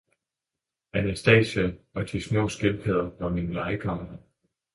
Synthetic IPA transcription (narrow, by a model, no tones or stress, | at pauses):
ænesd̥ɛ̰ːɕæɒ̽t͡sʰismɔ̰ːsɡ̥elpʰeð̰ˠɐʋɒminəlɑ̈ɪkʰɒm̰ɐnə